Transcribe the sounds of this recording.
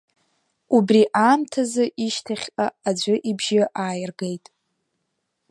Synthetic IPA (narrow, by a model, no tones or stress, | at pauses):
ubriʔaːmtʰazɨʔiʃtʰaχʲqʼaad͡ʒʷʊʔibʒɪʔaːjɪrɡejtʼ